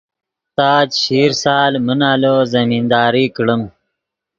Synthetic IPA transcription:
t̪aːt͡ɕɕiːɾsaːlmənaːloːzɐmiːnd̪aːɾiːkɽəm

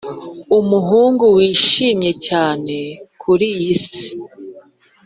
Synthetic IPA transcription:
umuɦuːŋɡuwiːʃiːmɲe̞caːne̞kʰuɾijisi̥

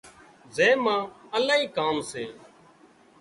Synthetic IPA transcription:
zeːmãːəlaːɦiːkaːmseː

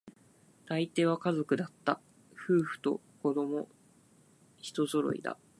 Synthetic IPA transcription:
t̪ait̪e̞ːβakazo̞kɯ̟d̪at̪ːa | ɸɯ̟ːɸɯ̟̥t̪o̞̰ | ko̞d̪o̞mo̞ | çi̥t̪o̞zo̞ɾo̞̰ḭd̪a̰

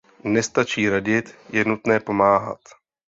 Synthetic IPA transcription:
nɛst̪at͡ʃiːɾaɟɪt̪jɛnut̪nɛːpo̞maːɦa̰t̪

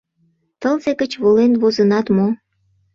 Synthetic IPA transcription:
t̪əlseɡət͡ɕβolenβozənɑt̪mo

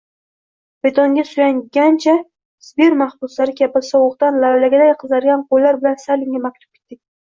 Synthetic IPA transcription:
bet̪ʰoŋɡʲasʊjaŋɡʲant͡ʃʰa | sbeɾmahbʊslaɾɪkʲʰabɪsɒwʊqt̪anlawlaɡʲad̪ajqʰɨzaɾɡʲanqʰolːaɾbɪlansalɪŋʲamak̚ʲt̪ʰʊ̥p̚kʰʲet̪ːɪk̚ʲ

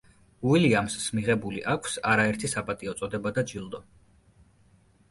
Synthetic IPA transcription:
uiliamsmiʁɛbuliʔakʷʰsaɾaɛɾt̪ʰisapʼat̪ʼiɔt̪sʼɔd̪ɛbad̪ad͡ʒilˠd̪ɔ

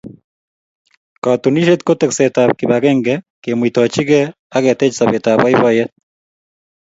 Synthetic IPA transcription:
katuniʃet̪̚kotɛksɛtaβkiβaɣɛŋɡɛ | kemwitɔt͡ʃiɣɛ | aɣɛtɛt͡ʃisaβetaβaiβɔjɛt

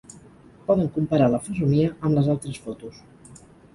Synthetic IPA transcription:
pɔðəŋkumpəɾaləfəzuniəʔəmləzalˠt̪ɾəsfot̪us

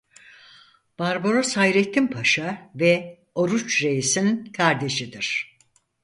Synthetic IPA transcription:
b̥aɾbo̞ɾosajɾet̪ʰːimpʰaʃavɛ | oɾut͡ʃɾe̞jisinkʰaɾd̪e̞ʃid̪iɾ̥

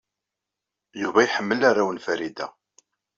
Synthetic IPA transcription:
juvæjħəmːəlaɾawənfæɾid̪æ̰

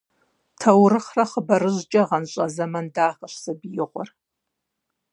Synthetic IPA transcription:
tʰɐwɾɨχrɐχəbɐɾɨʒt͡ʃʼɐʁɐnɕʼɐzɐmɐndaːχɐʃsɐbijɪʁʷʊ̰r

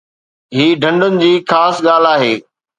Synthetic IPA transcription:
ɦiːɖʱɐ̃ɳɖʊnɪ̆d͡ʑiːxaːsɠaːl̤aːɦeː

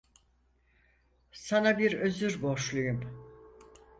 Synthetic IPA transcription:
sanabiɾø̞zyɾbo̞ʃlˠujum

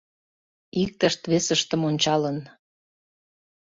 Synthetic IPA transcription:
ik̚t̪əʃt̪βesəʃt̪əmonʲt͡ɕɑlən

